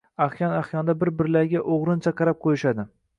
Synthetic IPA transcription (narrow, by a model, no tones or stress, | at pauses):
aχjɒnaχjɒnd̪abɪɾbɪɾlaɾɡʲaʔoʁɾɪnt͡ʃʰaqʰɑɾap̚qʰojɪʃad̪ɪ